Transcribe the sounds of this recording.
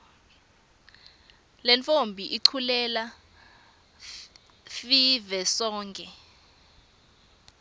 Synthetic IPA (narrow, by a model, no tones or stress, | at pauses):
lɛnt͡fombʱiʔiǀʰulɛla | fivɛsɔːŋkʼɛ